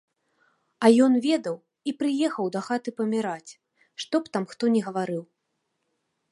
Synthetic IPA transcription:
ɐjɔnvʲɛd̪ɐw | ipɾɨjɛxɐwd̪ɐxat̪ɨpɐmʲiɾat͡sʲ | ʂt̪ɔpt̪amxt̪ɔnʲɛɣɐvaɾɨw

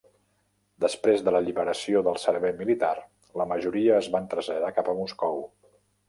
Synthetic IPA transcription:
d̪əspɾezðələʎiβəɾəsioðəlˠsəɾβɛjmilit̪ar | ləməʒuɾiəːzβant̪ɾəzʎəðakapəmuskɔw

